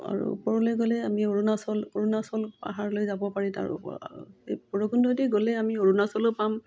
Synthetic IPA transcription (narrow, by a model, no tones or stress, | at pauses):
a̰ɹṵːpɔɹɔlojɡolɛamioɹunasɔloɹunasɔlpa̰ɦaɹlojzabɔpaɹɛta̰ɹ̰ɔ̰ | pɔɹokundɔtɛɡolɛamioɹunasɔlopam